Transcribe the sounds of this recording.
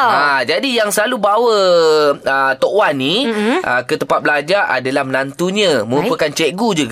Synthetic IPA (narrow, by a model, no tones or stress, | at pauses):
ad͡ʒadijaŋsəlalubawə | ət̪oʔwanːiʔə̰kət̪əmpat̪̚bəlad͡ʒaʔa̰dalahmənant̪uɲãmə̃ɾuppəkant͡ʃɛʔɡud͡ʒuɡa